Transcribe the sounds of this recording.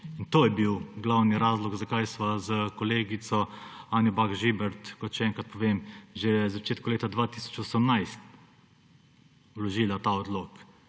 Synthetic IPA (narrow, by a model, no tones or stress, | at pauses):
int̪oːjɛbiwɡlawniɾaːzlɔɡzɐkajsʋazəkɔleːɡit̪sɔaːnjɔbaɡʒibɛɾt̪kɔt̪ʃɛɛŋkɾat̪̚pɔʋeːmʒezat͡ʃeːt̪kuleːt̪ad̪ʋaːt̪iːsɔ̥t͡ʃɔsəmnajst̪ | wlɔʒilat̪aːɔd̪loːk